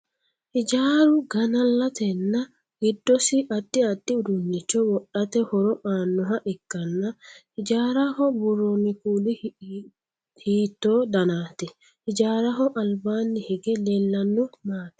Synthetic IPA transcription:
ʔɪd͡ʒaːɾʊɡɐnɐlːɐt̪ɛnːɐ | ɡɪd̪ːɔsɪʔɐd̪ːɪɐd̪ːɪʊd̪ʊnːɪt͡ʃːɔwɔɗɐt̪ɛhɔɾɔʔaːnːɔɦɐʔɪkːɐnːɐ | ɪd͡ʒaːɾɐhɔbʊrːonːɪkuːlɪ | hiːt̪ːoːd̪ɐnaːt̪ɛ | ɪd͡ʒaːɾɐɦɔʔɐlbaːnːɪhɛɡɛlɛlːɐnːɔmaːt̪ɛ̥

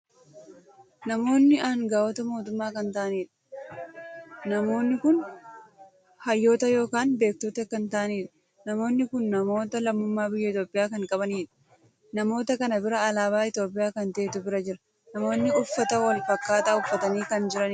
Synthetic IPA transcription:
nɐmo̞ːnːɪʔaːŋɡaːwɔt̪ɐmoːt̪ʊmːaːkɐnt̪aːɐniːᶑɐ̥ | nɐmo̞ːnːɪkʊn | hɐjːo̞ːt̪ɐjo̞ːkaːnbe̞ːk̚t̪oːt̪ɐkɐnt̪aːniːᶑɐ̥ | nɐmo̞ːnːɪkʊnːɐmo̞ːt̪ɐlɐmːʊmːaːbɪjːɐɪt̪o̞ːpʼːɪjaːkɐŋkʼɐbɐniːᶑɐ̥ | nɐmo̞ːt̪ɐkɐnɐbɪɾɐːlaːβaːɪt̪jo̞ːpʼːɪjaːkɐnt̪eːt̪ʊbɪɾɐd͡ʒɪɾɐ̥ | nɐmo̞ːnːɪʊfːɐt̪ɐwɐlfɐkːaːt̪ɐʊfːɐt̪ɐniːkɐnd͡ʒɪɾɐnː

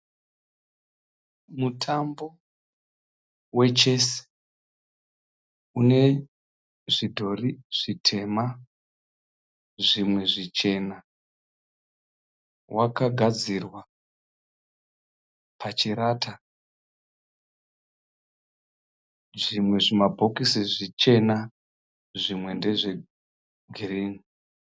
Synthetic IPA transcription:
mutʰambo̞ | we̞t͡ʃe̞se̥ | une̞ | ʐidʱo̞riʐ̥itʰe̞ma | ʐimwe̞ʐit͡ʃe̞na | wakaɡʱad͡zirwa | pʰat͡ʃiɾaːta | ʐimwe̞ʐimabʱo̞kisiʐit͡ʃe̞na | ʐimwe̞nde̞ʐe̞ | ɡʱiriːni

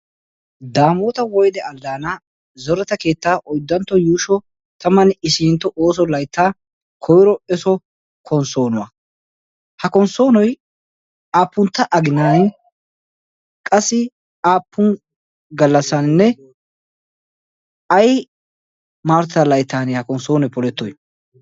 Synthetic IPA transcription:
d̪aːmoːt̪ɐwɔjd̪ɛɐlːaːnɐ | zɔɾɛt̪ɐke̞ːt̪ːaːʔɔjd̪ːɐnt̪ːɔjuːʃɔ | t̪ɐmːɐnɪsiːnt̪ːɔʔoːs̬ɔlɐjt̪ːaː | kʰɔjɪɾɔɛsɔ | kʰɔnso̞ːnʊwɐ | hɐkɔnso̞ːnɔj | aːpːʊnt̪ːɐʔɐɡɪnaːnɛ | kʼɐsːɪ | aːpːʊn | ɡɐlːɐsɐnnːɛ | ɐj | maːɾt̪ɐlɐjt̪ːaːnehɐkɔnso̞ːnɔjpɔlɛt̪ːɔj

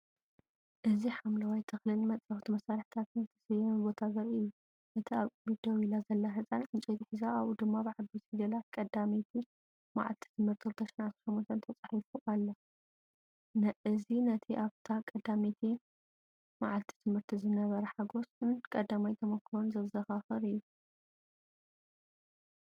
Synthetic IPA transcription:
ʔɨziħamlɐwajt̪ʰɨxlɨlmɐt͡sʼɐxt̪ʰumɐsaɾɨħt̪ʰat̪nzɨt̪ʰɐ̥sɐjɐmbo̞t̪ʰazɐɾɨjːu | ʔɨt̪ʰiaβkʼɨmid̪ɐwilazɐlːɐɦɨt͡sʼanʕɨnt͡ʃʼit̪iħɨzaaβud̪ɨmːabɨʕad̪ut̪id̪ɐlat̪̚kʼɐd̪amit̪ʰi | ma̰ʕa̰lt̪ʰi̥t̪ʰɨmhɨɾt̪ʰilɨt̪ʰɐʃinʕat̪ʃɐmːont̪ʰɐnt̪ʰɐt͡sʼaħifuʔalːɐ | nɐɨzinɐt̪ʰiʔaβt̪ʰakʼɐd̪amet̪ʰi | maʕalt̪ʰi̥t̪ʰɨmhɨɾt̪ʰizɨnɐβɐɾɐħaɡo̞sɨnkʼɐd̪amajt̪ʰɐmɐkʰːɨɾonzɐβzɐxaxɨɾɨjːu

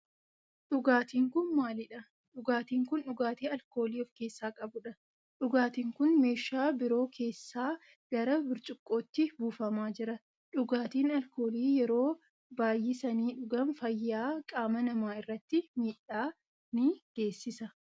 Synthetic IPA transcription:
ᶑʊɡaːt̪iːŋkʊnmaːlɪᶑɐ | ᶑʊɡaːt̪iːŋkʊnᶑʊɡaːt̪iːɐlko̞ːliːɔfke̞ːsːaːkʼɐbʊᶑɐ | ᶑʊɡaːt̪iːŋkʊnme̞ːʃaːbɪɾo̞ːkʰe̞ːsːaː | ɡ̥ɐɾɐbɪɾt͡ʃʼʊkʼːo̞ːt̪ːɪbuːfɐmaːd͡ʒɪɾɐ | ᶑʊɡaːt̪iːnɐlko̞ːliːjɛɾo̞ː | baːjːɪsɐniːᶑʊɡɐmfɐjːaːkʼaːmɐnɐmaːɪrːɐt̪ːɪmiːᶑːaː | nɪɡ̥e̞ːsːɪsɐ

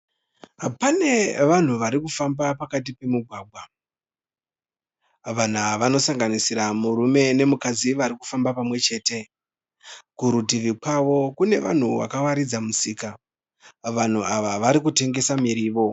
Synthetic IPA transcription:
pane̞ʋan̤uʋaɾikufambapakat̬ipe̞muɡʱwaːɡʱwa | ʋan̤aʋano̞saŋɡanisiramuɾume̞ne̞mukad͡ziʋaɾiku̥fambapamwe̞t͡ʃe̞ːte̞ | kuɾutiʋikwaʋo̞kune̞̰ʋa̰n̤uʋa̰kawaɾid͡zamusiːka | ʋan̤uaʋaʋaɾik̬ute̞ŋɡe̞samiɾiːʋo̞

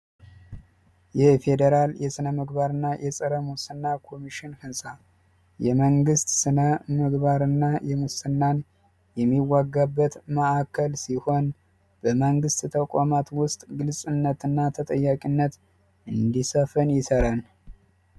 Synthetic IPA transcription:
jɛfe̞d̪əɾaljɛsɨnəməɡbaɾɨnːajʔɛsʼɨɾəmusɨnːakʰo̞miʃɪnfɨnsʼa | jɛməŋɡɨst̪sɨnəməɡbaɾɨnːajɛmusɨnːan | jɛmːiwaɡːabːət̪məʔakʰːəlsiho̞n | b̥əməŋɡɨst̪t̪ʰəkʷʼamat̪wʊst̪ʼɡɨlsʼɨnːət̪ɨnːat̪ʰət̪ʼəjːakʼinːət̪ | ʔɨnd̪isəfənjɪsəɾan

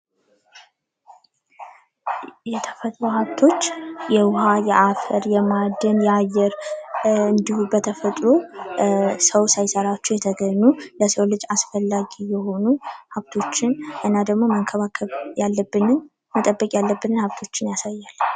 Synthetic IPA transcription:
jɛt̪ʰə̥fət̪ʼɾohaβt̪ʰo̞t͡ʃːjɛwʊhajɛʔafəɾjɛmad̪ːənjɛajːɛɾ | ɨnd̪ihubət̪ʰəfət̪ʼɾo | səwsajsəɾat͡ʃːujɛt̪ʰəɡəɲːuləsəwlɨd͡ʒʼasfəlːaɡijɛho̞nuhaβt̪ʰo̞t͡ʃːɪnʔɨnːad̪əɡmo̞məŋkʰəβakʰəβjalːəbːɨnɨn | mət̪ʼəbːəkʼjalːəbːɨnɨnhaβt̪ʰo̞t͡ʃːɪnjasajːalː

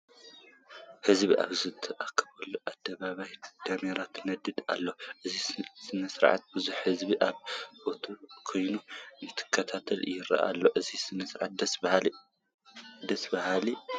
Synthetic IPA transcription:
hɨzbiʔa̰βzɨt̪ʰɨʔakʰːɐβɐlːuʔad̪̥ːɐβaβajd̪̥ameɾat̪nɐd̪ɨd̪a̰lːoʔɨzisɨnɐsɾʕa̰t̪̚bɨzuħhɨzbiʔaβbo̞t̪ʰukʰo̞jnunɨt̪ʰɨ̥kʰːɐt̪ʰat̪ʰɐljɪɾa̰ʔa̰lːoʔɨzisɨnɐsɾʕa̰t̪d̪ɐ | d̪ɐsbɐhali

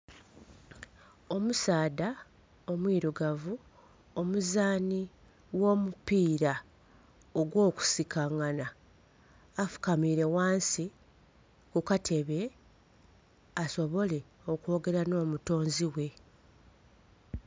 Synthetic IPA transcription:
o̞musaːda | o̞mwiːɾuɡavu | omuzaːni | wo̞ːmupiːɾa | o̞ɡwo̞ːku̥sikʰaŋanaː | fu̥kamiɾe̞waːnsi | kukatʰe̞βe̞ | aso̞βo̞le̞ | o̞kwo̞ːɡe̞ɾano̞ːmuto̞ːnziwe̞

